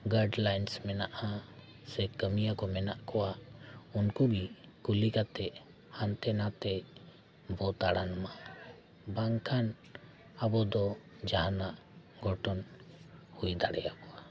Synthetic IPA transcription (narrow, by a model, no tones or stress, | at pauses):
ɡaɾɖlajnsmɛnaʔa | sɛkəmijakɔmɛnaʔkɔwaunkubikulikat̪ɛʔ | hant̪ɛnat̪ɛ | bɔt̪aɽanma | baŋkʰan | abɔd̪ɔ | d͡ʒaɦanaʔ | ɡʱɔʈɔn | hujd̪aɽɛjakɔwa